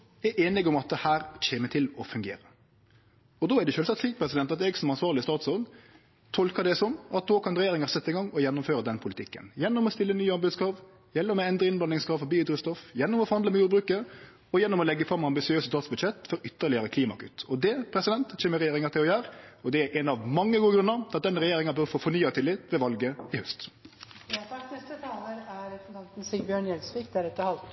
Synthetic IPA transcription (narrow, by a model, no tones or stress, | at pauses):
ɛʔeːnɪɡɔmɑt̪̚d̪ɛhæːɾt͡ɕʰeːmət̪ʰɪlɔfʉŋɡḛːɾə | ɔd̪oːædɛʃøːlsɑt̪sliːk̚pʰɾɛsɪd̪ɛnt̪ɑt̪ɛɡsɔmɑnsʋɑːɾlɪəst̪ɑːt̪sɔn | t̪ʰɔlkəd̪ɛsɔmʔɑt̪̚d̪oːkʰɑnɾɛjeːɾɪŋɑɾsɛt̪ːəɪŋɡɑŋːɔjɛnːʊmføːɾəd̪ɛnːpʰʊlɪt̪ʰɪkːə̰njɛnːɔmɔst̪ɪlːənyːɑnbʉːd̪skʰɾɑːʋ | jɛlːəmɛɛnd̪ɾəɪnblɑnɪŋskʰɾɑːʋfɔbiːyːd̪ɾəst̪ɔfjɛnːʊmɔfɔɾhɑnd̪əmɛjuːd̪bɾʉːkəɾ | ɔjɛnːɔmɔlɛɡːəfɾɑmːɑmbɪsɪøːsət̪ʰɑːt̪sbʉd̪ʃɛt̪ːfɔɾʏt̪ːəɭɪjəɾəkʰliːmɑ̰kʰʉ̰t̪ːɔd̪ɛpʰɾɛsɪd̪ɛnt̪çeːmːəɾɛjeːɾɪŋɑt̪ʰɪlɔjæːɾɔd̪ɛæɾʔɛnɑʋmɑŋːəɡuːəɡɾʉnːəɾɑt̪̚d̪ɛnɾɛjeːɾɪŋɑnbœɾfoːfɔnyːət̪ʰɪlːɪt̪ʋɛʋɑlɡəɪhœst̪ | ɛt̪ət̪ʰɑːləɾæɾʰɑŋn̩sbjøːɳjɛlsʋiːkd̪æɾɛt̪ːəhɑlt̪